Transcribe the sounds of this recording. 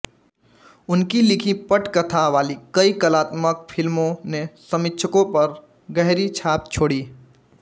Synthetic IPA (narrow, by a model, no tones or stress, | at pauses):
ʊnkilɪkʰipəʈkət̪ʰaʋaːlikəikəlaːt̪mək̚pʰɪlmõnesəmɪkt͡ʃʰəkõpəɾ | ɡəɦɾit͡ʃʰaːp̚t͡ʃʰoːɽiː